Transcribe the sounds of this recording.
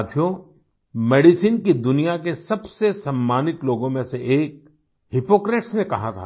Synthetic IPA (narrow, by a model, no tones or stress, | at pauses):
t̪ʰijo | meːɖisiːnkid̪ʊnijakesɐbsesɐmːaːnɪt̪loːɡõmẽseʔeːk̚ | ɦɪpoːkɾeːʈsnekɐɦat̪ʰa̰ː